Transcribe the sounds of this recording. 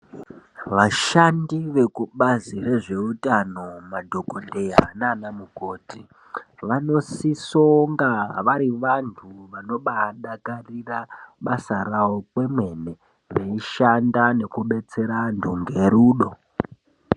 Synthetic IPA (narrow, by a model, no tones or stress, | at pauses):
ʋaʃandiʋe̞kuɓazire̞ʐe̞utano̞madʱo̞ko̞nde̞jananamukoːti | ʋano̞siso̞ŋɡaʋaɾiʋantʰuʋano̞ɓaɗakariraɓasaɾawo̞kwe̞mwe̞ne̞ | ʋeiʃandane̞kuɓe̞t͡se̞ɾandʱoŋɡe̞ɾuːɗo̞